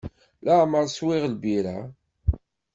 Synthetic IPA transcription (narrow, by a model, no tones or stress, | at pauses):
laʕməɾˤswɪʁlbiɾæ